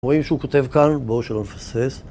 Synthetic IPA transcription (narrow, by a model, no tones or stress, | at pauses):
ʁoimʃeukot̪e̞vkanboʃelonefases